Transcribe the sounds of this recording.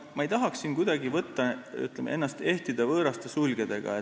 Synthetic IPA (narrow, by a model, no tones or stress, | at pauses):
mɑejt̪ɑɦɑksːinkujd̪ɑɡivɤt̪ːɑy̰t̪lemeenːɑst̪e̞ht̪id̪̥ɑvɤːɾɑst̪esulʲɡ̥ed̪̥e̞ɡ̥ɑ̰e